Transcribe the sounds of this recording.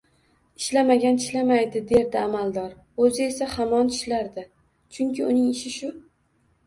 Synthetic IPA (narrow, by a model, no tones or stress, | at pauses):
ɪʃlamaɡʲant̪ʰɪ̥ʃlamajd̪ɪd̪e̞ɾd̪ɪamald̪ɒɾ | ɵzɪe̞sahamɒnt̪ʰɪ̥ʃlaɾd̪ɪ | t͡ʃʰʊŋkʲɪʊnɪŋɪʃɪʃʊ